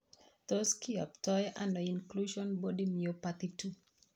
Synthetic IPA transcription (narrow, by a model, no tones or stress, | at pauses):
tɔskiɔptɔjʔanoĩnkluʃɔ̃nbɔdimiopatitʰu